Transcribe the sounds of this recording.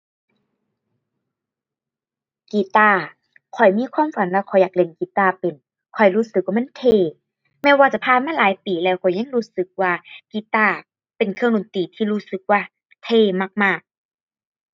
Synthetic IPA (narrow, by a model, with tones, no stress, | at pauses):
kiː˨˩t̪aː˧˩ | kʰɔ˨˩jmiː˧˥˨kʰwaː˧˥˨mfa˨˦nlɛː˧˩wkʰɔ˨˩jaː˨˩k̚le˧˦nkiː˨˦t̪aː˧pe˨n | kʰɔ˨˩jɾuː˧˥˩sɯ˨˧k̚waː˧˨m˧˥˨nt̪ʰeː˧˩ | mɛː˧˨waː˧t͡ɕa˧˦pʰaː˧˨maː˧˥˨laː˨˦jpiː˨˩lɛː˧˩wkʰɔ˨˩jɲa˧˨ŋɾuː˧˥˨sɯ˨˧˦k̚waː˧kiː˨˦t̪aː˧˩ | pe˨˩nkʰɯ˧ə˨ŋdo˨nt̪iː˨˩t̪ʰiː˧ɾuː˧˩sɯ˨˧˦k̚waː˧ | t̪ʰeː˧˨ma˧˩k̚maː˧˩k̚